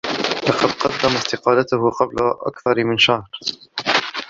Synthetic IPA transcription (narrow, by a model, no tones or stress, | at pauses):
lɑqɑd̪qɑd̪ːamast̪ɪqɑːlat̪ʊɦʊqɑblaʔa̰kθɑɾˤmɪnʃahɾ